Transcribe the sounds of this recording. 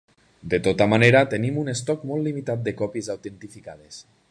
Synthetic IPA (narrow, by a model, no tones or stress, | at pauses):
d̪et̪ot̪amaneɾat̪enimunest̪ɔkmɔlˠlimit̪at̪̚d̪ekɔpiezawt̪ent̪ifikaðes